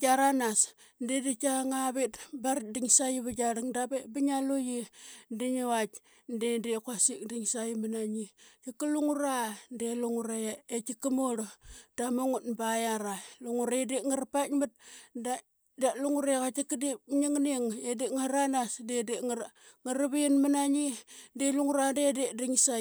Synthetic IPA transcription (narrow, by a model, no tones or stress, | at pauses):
d͡ʒaɾanas | ndedit͡ʃaŋaβitbaɾdiŋsajiβaɡaɾiŋdabebiɲalojindiɲawat | ndendekwasik̚diŋsajimanaɲit͡ʃikːaluŋuɾandeluŋuɾejaet͡ʃikːimoɾd̥amoŋutbajaɾaluŋuɾaedeŋaɾapatmat̚da | daluŋuɾekat͡ʃikdip̚ɲiŋniŋedeŋaɾanasdedeŋ | ŋaɾaβijinmanaɲideluŋuɾandedediŋsa